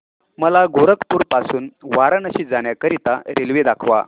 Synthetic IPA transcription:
məlaɡoɾəkpuːɾpasuːnʋaɾənəɕiːd͡zaɳjakəɾit̪aɾelʋed̪akʰʋa̰

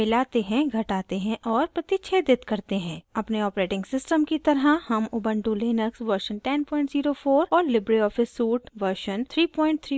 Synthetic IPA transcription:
ɪlaːt̪eɦɛ̃ɡʱɐʈaːt̪eɦɛ̃ʔɔːɾpɾɐt̪it͡ʃʰed̪ɪt̪kɐɾt̪eɦɛ̃ːɐpneɔːpɾeːʈɪ̃ŋɡsɪsʈəmkit̪ɐɾɦəhɐmʊbə̃ɳʈuleːnəksʋəɾʃənʈɛnpɔ̃ːɪ̃ɳʈziːɾofoːɾɔːɾlɪbɾiɔːfɪsːuːʈʋəɾʃənt̪ʰɾiːpɔ̃ːɪ̃ɳʈ̚t̪ʰɾiː

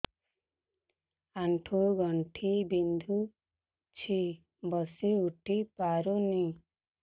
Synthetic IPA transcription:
aɳʈʰuɡɔɳʈʰibind̪ʱu | t͡ʃʰi | bɔsiuʈʰipaɾuni

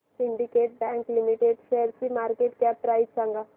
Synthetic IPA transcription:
siɳɖikeʈ̚bɛ̃ŋklimiʈeɖʃeɾt͡ɕimaɾkeʈkɛp̚pɾaidsãŋɡa

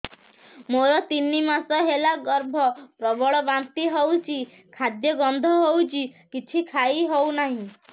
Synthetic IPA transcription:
moɾɔt̪inːimasɔɦelaɡɔɾbʱɔpɾɔbɔɭɔbant̪iɦowt͡ʃʰi | kʰad̪jɔɡɔnd̪ʱɔɦowt͡ʃʰikit͡ʃʰikʰajɦownaɦĩ

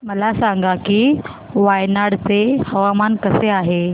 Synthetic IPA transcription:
məlasaŋɡakiː | ʋajnaɽt͡sehəʋamankəseaɦe

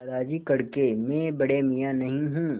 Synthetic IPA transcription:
ɾaːd͡ʒikɐɽkemẽbɐɽemɪjanɐɦĩɦũː

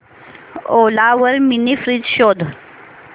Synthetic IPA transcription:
olaʋəɾminifɾid͡zɕod̪ʱ

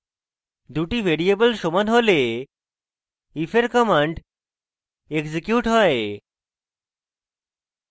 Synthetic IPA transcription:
d̪uʈibʱeɾiebəlʃomanɦole | ifʰeɾkɔmaɳɖ | eɡsikjuʈɦɔe

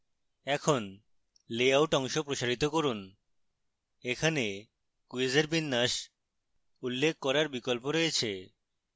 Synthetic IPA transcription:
ɛkʰon | leawʈɔŋʃopɾoʃaɾit̪okoɾun | ekʰane | kued͡ʑeɾbinːaʃ | ulːek̚ʰːɔɾaɾbikolpoɾoet͡ɕʰe

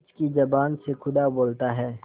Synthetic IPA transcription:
t͡ʃkid͡ʒɐbaːnsekʰʊd̪aboːlt̪aɦɛː

